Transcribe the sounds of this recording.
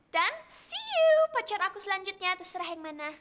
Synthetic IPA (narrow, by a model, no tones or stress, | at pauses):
d̥ansiupat͡ʃaɾakusəlaɲd͡ʒut̪̚ɲat̪asəɾahjaŋmana